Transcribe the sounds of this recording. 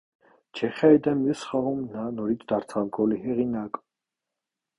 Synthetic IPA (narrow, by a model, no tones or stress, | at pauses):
t͡ʃʰɛχaɛd̪ɛmjɛsχaʁɔmnanɔɾit̪ʰd̪aɾt̪ʰalɡɔliɦɛʁinakʼ